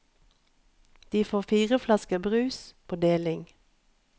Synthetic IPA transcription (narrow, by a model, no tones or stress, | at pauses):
d̪̥iːfoːʁfiːʁəflɑskəbʁʉːspʰoːd̪eːlɪŋ